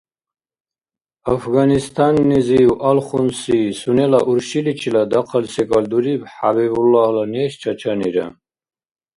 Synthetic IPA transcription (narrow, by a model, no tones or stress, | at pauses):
afɡanist̪ʰʼanːɛziuʔalχunsiːsunɛlaʔuɾʃilit͡ʃʰilad̪aqʰalsɛkʼald̪uɾibħabɛbulːalaniɛʃt͡ʃʰat͡ʃʰaniɾa̰